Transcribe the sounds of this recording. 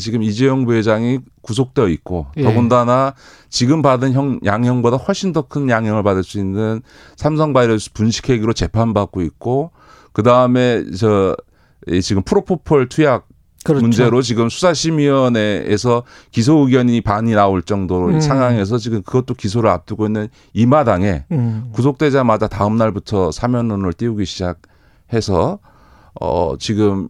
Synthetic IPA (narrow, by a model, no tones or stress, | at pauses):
t͡ɕiɡɯmid͡ʑejʌŋbued͡ʑaŋikus̬ʰok̚t͈eʌit̚k͈oʌɡundana | t͡ɕiɡɯmbadɯnçjʌŋjʔaŋjʌŋbodaɸwʌɭɕ͈ʰindʌkʰɯnjaŋɦjʌŋɯɭpadɯɭs͈uinːɯn | sʰams̬ʰʌŋbaɾʌpunɕʰi̥kʰe̞ɡiɾot͡ɕe̞pʰanbak̚k͈oit̚k͈o | kɯdaɯme̞t͡ɕʌ | it͡ɕiɡɯmpʰuɾopʰopʰʌɭtʰujak̚ | kɯɾmund͡ʑeɾot͡ɕiɡɯmsʰu̥sʰaɕʰimiʌnḛːsʰʌ | kis̬ʰoɯɡjʌɲipaɲinaoɭt͡ɕ͈ʌŋdoɾosʰaŋɦaŋe̞s̬ʰʌt͡ɕiɡɯmkɯɡʌt͈okisʰoɾɯɾa̰p̚t͈uɡoinːɯn | imadaŋe̞kus̬ʰok̚t͈e̞d͡ʑamadataɯmnaɭbutʰʌsʰamjʌnːonɯɭt͈iuɡiɕʰid͡ʑak̚ | he̞sʰʌ | ʌ̰t͡ɕiɡɯm